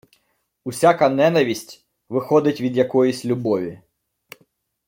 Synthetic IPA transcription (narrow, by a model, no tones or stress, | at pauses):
usʲakɐnɛnɐʋʲisʲtʲ | ʋɪxɔd̪ɪtʲʋʲid̪jɐkɔjisʲlʲʊbɔʋʲi